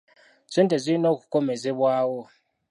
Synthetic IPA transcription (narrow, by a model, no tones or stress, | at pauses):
z̥ʷintʼezʷinoku̥kʼomezeβwaːwo